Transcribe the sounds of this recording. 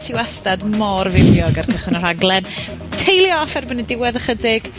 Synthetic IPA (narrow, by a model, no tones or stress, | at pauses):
tʰiwastadmɔrvɪvjɔɡarkʰəχwənɔr̥aɡlˠɛn | tʰejlˠjɔfɛrbənidɪwɛðəχədɪɡ̥